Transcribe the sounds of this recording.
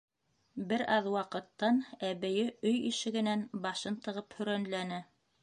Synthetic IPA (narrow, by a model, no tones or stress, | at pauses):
bɘɾɑðwɑqɤ̆t̪ːɑnæβɘ̆jɘɵjiʃɘ̆ɡɘ̆nænbɑʃɤnt̪ɤ̆ʁɤphɵ̆ɾænlænæ